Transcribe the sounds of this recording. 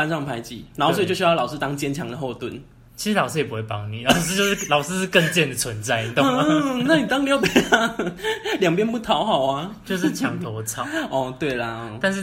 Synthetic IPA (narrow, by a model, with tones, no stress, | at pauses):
fa˥nʂɑ˥˩ŋpʰa˧˥ɪt͡ɕḭ˨˩˦na˧˥xo˥˩swt͡ɕɕjlʊʂ̬̩˥t̪ɑ˥ŋt͡ɕjɛ˥nt͡ɕʰjɑ̰˧˥ŋd̪ə˨xo˥˧ʊt̪wə˥˩n | t͡ɕʰi˧˥ɻ̩˥lɑ˨˩ʊʂɻ̩˥jɛ˨˩p̬u˦˥we˥˩pɑ̰˧˥ŋnḭ˨˩lɑ˨˩ʊs̩˥˧jo˥˧ʊʂ̩˥˧˥lɑ˨ʊsɻ̩˥ʂɻ̩˥˧kə˥˧ŋt͡ɕjɛ˥˩nd̪ə˩t͡sʰwə˧˦nt͡sa˥ɪ˧t̪o˥˩˥na˥˩ni˨˩t̪ɑ˥ŋlpe˨˩ɪt̪ʰa˥ljɑ˨˩ŋp̬jɛ˥npu˥˩t̪ʰɑ˧˦ʊxɑ˨˩ʊa˦t͡ɕjo˥˧ʂ̬ɻ̩˥˧˩t͡ɕʰjɑ˧˥ŋt̪ʰo˧ʊt͡sʰɑ˨˩ɔ˥˧t̪we˥˩ɪlɐ˩˧˩t̪a˥˧n̬ɻ̩˥˩